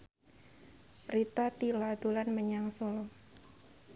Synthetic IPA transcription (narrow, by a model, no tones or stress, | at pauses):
rit̪at̪ilad̪̥ulanməɲaŋsɔlɔ